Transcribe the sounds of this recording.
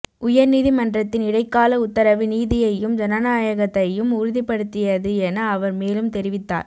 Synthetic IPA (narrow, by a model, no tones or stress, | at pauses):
ʔʊjɐɾniːðimɐndrɐt̪ːɪnɪɽɐɪkːaːlɐʊt̪ːɐɾɐʋɯniːðɪjɐjɯmd͡ʒɐnɐnaːjɐɣɐt̪ːɐjɯmʊɾʊðɪpːɐɽɯt̪ːɪjɐðɯɛnɐːʋɐɾmeːlɯmt̪ɛɾɪʋɪt̪ːa̰ːɾ